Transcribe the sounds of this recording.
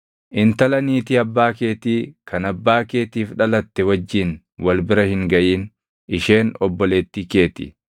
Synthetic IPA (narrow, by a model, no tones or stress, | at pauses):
ʔɪnt̪ɐlɐniːt̪ɪɐbːaːke̞ːt̪iːkʰɐnɐbːaːke̞ːt̪iːfᶑɐlɐt̪ːɛwɐd͡ʒːɪn | wɐlbɪɾɐhɪŋɡɐʔiːn | ʔɪʃe̞ːnɔbːɔleːt̪ːike̞ːt̪ɪ̰